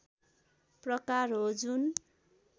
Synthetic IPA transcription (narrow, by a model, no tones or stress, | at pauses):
prʌkarɦod͡zun